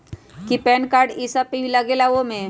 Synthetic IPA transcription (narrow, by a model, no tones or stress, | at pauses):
kipɛːnkaːɾɖisapibʱiləɡelaʋomẽ